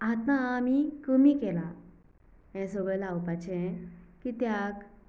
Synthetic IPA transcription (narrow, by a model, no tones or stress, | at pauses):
at̪maamikəmikɛla | ɛ̃səɡɭəlawpat͡ɕɛ̃kit̪jak